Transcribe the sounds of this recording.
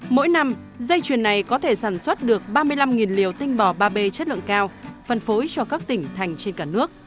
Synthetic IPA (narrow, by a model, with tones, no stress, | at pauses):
mo̰˧˥jna˧m | zə˧jt͡ɕwi˨˩ənːa˨˩jkɔ˨˦t̪ʰe˧˩saː˧˩nswə˦˥t̚ɗɨ˨˩ək̚ɓaː˧mɨ˧əjla˧mŋi˨˩nlḭ˨˩əwt̪ï˧ŋ̟ɓɔ˧˩ɓaː˧ɓe˧t͡ɕə˦˥t̚lɨ̰˧˨əŋkaː˧wfə˨˩nfo˨˦jt͡ɕɔ˧kaː˦˥k̚t̪ï˧˩ŋ̟t̪ʰa˨˩jŋ̟t͡ɕe˧nkaː˧˩nɨ˦˥ək̚